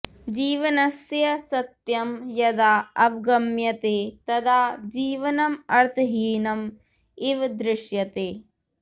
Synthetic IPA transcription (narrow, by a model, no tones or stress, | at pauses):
d͡ʒiːʋɐnɐsjɐsɐt̪jɐmjɐd̪aːɐʋɡɐmjɐt̪eːt̪ɐd̪aːd͡ʒiːʋɐnɐmɐɾt̪ʰɐɦiːnɐm | iʋd̪ɾɪʃjɐt̪eː